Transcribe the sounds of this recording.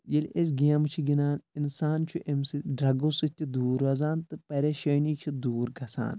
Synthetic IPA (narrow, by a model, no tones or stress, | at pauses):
jelʔes̬ɡaːmt͡ʃʰiɡinaːninsaːnt͡ʃʰuʔemsiɖɾɐɡosɨt̪ʲid̪uːɾɐzaːnt̪ɨpɐɾeʃɐːniːt͡ʃʰid̪uːɾɡɐsa̰ːn